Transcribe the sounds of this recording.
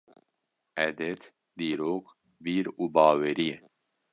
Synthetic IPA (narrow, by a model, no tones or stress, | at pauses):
ɛd̪ɛt̪ | d̪iːɾoːk | biːɾuːbɑːweɾije